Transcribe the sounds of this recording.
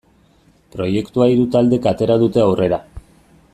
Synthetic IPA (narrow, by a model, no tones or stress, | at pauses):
pɾo̞je̞kt̪uaiɾut̪ald̪e̞kat̪e̞ɾaðut̪e̞awre̞ɾa